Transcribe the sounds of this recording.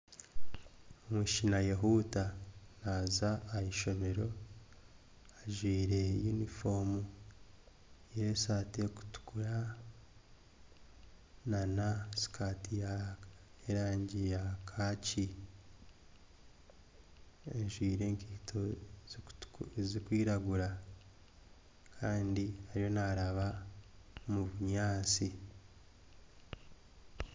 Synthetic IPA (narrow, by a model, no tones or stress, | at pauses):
omiʃinajeɦutanazaːiʃo̞me̞ɾo̞ | aʒwiːɾe̞junifo̞mu | jesateku̥tu̥kuɾa | nanasi̥kʰaːtijaeɾaːɲɟijakʰaci | eʒwiːɾe̞ːŋkʰitʰo | zikwiːɾaɡuɾa | kʰaːndiaɾjo̞naɾaβa | muβuɲaːt͡si